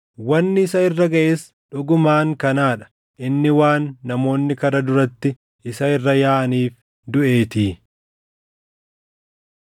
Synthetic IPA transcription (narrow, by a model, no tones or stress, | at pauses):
wɐnːɪɪsɐɪrːɐɡɐʔeːs | ᶑʊɡʊmaːŋkɐnaːᶑɐ̥ | ʔɪnːɪwaːnːɐmo̞ːnːɪkɐɾɐd̪ʊɾɐt̪ːɪ | ɪsɐɪrːɐjaːʔɐniːf | d̪ʊʔe̞ːt̪iː